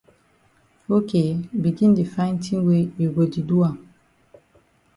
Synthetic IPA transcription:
o˦kʰe˨bi˨ɡĩ˦ndi˨fã˦ɪ̃˦ntʰĩ˦we˦ju˨ɡo˨di˨du˦a˨

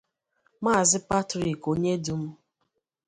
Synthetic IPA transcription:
ma˦˨zɪ˦pa˦tɾi˨ko˨ɲe˦du˨m̩˦

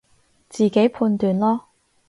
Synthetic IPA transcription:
t͡siː˨˩ke˨˥jpʰuː˧nt̪yː˨˩nlɔː˥

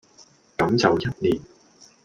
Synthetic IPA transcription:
kɐ˨˧˥mt͡sɐ˨wjɐ˥t̚liː˨˩n

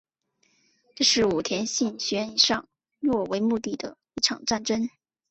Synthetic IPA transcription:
ʈ͡ʂɤ˥˧ʂɻ̩˥˩u˨˩t̪ʰjɛ˧˥nɕi˥˩nɕɥɛ˧˥ni˨˩ʂɑ˥˧ŋ | lwɔ˥˩we˧˥ɪmu˥˧t̪i˥˩d̪ə̰˩ | i˥˩ʈ͡ʂʰɑ˨˩ŋʈ͡ʂa˥˩nʈ͡ʂə˥n

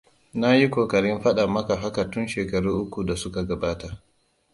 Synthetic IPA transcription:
na˦ji˦kʷoː˨kɐ˨ɽɪ˦mɸɐ˦ɗa˨mɐ˦ka˨ɸɐ˦ka˨tʊ˦nʃeː˨kɐ˨ɽuː˦ʔʊ˦kʷu˨da˨sʊ˦ka˨ɡɐ˨baː˦ta˨

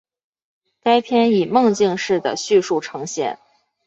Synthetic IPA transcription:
ka˥ɪpʰjɛ˥ni˨˩mɤ˥˧ŋt͡ɕi˥˧ŋʂɻ̩˥˩d̪ə̰˩ɕy˥˧ʂu˥˩ʈ͡ʂʰɤ˧˥ŋɕjɛ̰˥˩˦n

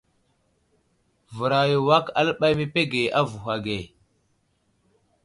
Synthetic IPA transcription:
və˨ɾa˨jo˨wa˦ka̰˦lɓa˦jme˦pe˦ɡe˨ʔa˦vu˨ɦa˨ɡe˨

